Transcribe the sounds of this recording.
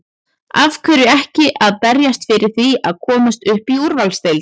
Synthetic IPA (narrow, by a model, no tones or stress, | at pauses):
avkʰvœɾʏɛhcɪʔaðpɛɾjast̪fɪɾɪɾ̥θiaðkʰɔːmast̪ʏhpiuɾvalst̪ejl